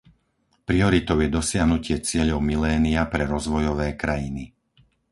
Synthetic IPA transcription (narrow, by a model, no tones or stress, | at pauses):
pɾiɔɾit̪ɔʊjɛd̪ɔsɪaɦnucɪɛt͡sɪɛʎɔʊmilɛːniapɾɛɾɔzʋɔjɔʋɛːkɾajini